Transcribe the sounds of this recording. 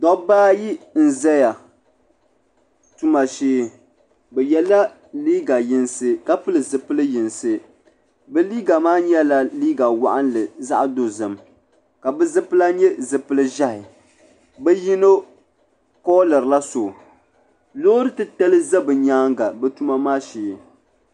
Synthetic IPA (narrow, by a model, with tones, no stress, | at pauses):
dɔ˨˦baː˦ji˦n̩˨zɛ˦ja˨ | tu˦ma˨ʃeː˦ | bɛ˨jɛ˨la˦ | liː˦ɡa˨jɪ˦nsɨ˦ka˦pɨ˦lɨ˨zɨ˨pɨ˦lɨ˦jɪ˨nsɨ˦ | bɛ˦liː˦ɡa˨maː˦ɲɛ˦la˦liː˦ɡa˨wa̰˨ʔa˦nlɨ˨za˦ʔdo˨zɨ˨m | ka˨bɨ˦zɨ˦pɨ˦la˦ɲɛ˦zɨ˨pɨ˦lɨ˦ʒa˦hɪ˨ | bɛ˦ji˦no˦ | kɔː˦lɨ˨ɾla˦so˨ | lo˦ɾɨ˦tɨ˦ta˦lɨ˦za˦bɨ˨ɲaː˦ŋɡa˨bɛ˦tu˦ma˦maː˦ʃeː˨